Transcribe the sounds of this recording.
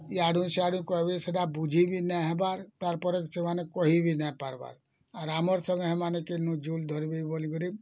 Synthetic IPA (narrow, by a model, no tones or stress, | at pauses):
iaɽʱũsiaɽũkɔɦbeseɖabud͡ʒʱibʱinaɦebaɾt̪aɾpɔɾeksʰemanekɔɦibʱinapaɾba̰ɾ | aɾamɔɾsə̃ŋɡɦemanekenũd͡ʒuld̪ʱɔɾbeboliɡɔɾib